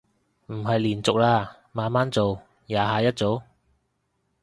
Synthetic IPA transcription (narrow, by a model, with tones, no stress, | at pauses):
m̩˨˩ɦɐ˨jliː˨˩nt͡sʊ˨k̚laː˧ | maː˨˧˥nmaː˦˥nt͡so˨w | jaː˨˧ɦaː˨˧jɐ˥t̚t͡so˨˥w